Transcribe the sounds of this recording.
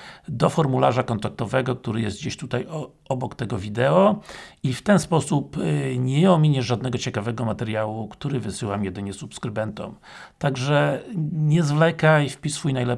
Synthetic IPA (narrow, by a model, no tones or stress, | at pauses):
d̪ɔfɔɾmulaʐakɔnt̪ak̚t̪ɔvɛɡɔk̚t̪uɾɘjɛst̪̚d͡ʑeɕt̪ut̪aj | ɔbɔkt̪ɛɡɔvʲid̪ɛɔift̪ɛnspɔsupɲɛjɔmʲiɲɛʐad̪nɛɡɔt͡ɕɛkavɛɡɔmat̪ɛɾjawukt̪uɾɘvɘsɘwamjɛd̪ɘɲɛsupskɾɘbɛnt̪ɔ̰m | t̪aɡʐɛɲɛzvlɛkajfpʲisfujnajlɛ